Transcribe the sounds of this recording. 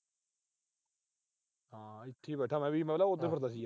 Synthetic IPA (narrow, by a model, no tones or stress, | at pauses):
ɦãːɪt̪ʰːiːbɛːʈʰaːmɛ̃ːʋiːmɛ̃laːod̪eːpəɾd̪aːsiːa